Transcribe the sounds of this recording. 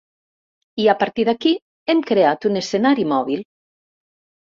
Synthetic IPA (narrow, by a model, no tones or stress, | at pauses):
iapaɾt̪iðaki | emkɾeat̪unesenaɾimɔβ̞ilˠ